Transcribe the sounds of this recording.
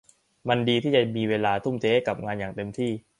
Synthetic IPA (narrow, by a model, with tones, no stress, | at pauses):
ma˧ndiː˧t̪ʰiː˥˩t͡ɕa˨˩miː˧weː˧laː˧t̪ʰu˥˩mt͡ɕʰeː˦˥ka˨˩p̚ŋaː˧njaː˨˩ŋt̪e˧mt̪ʰiː˥˩